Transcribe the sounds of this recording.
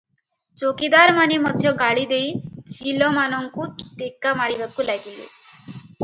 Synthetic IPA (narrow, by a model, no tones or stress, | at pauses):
t͡ʃokid̪aɾmanimɔd̪ʱjɔɡaɭid̪ejt͡ʃilɔmanɔŋkuʈekːamaɭiʋakulaɡilḭ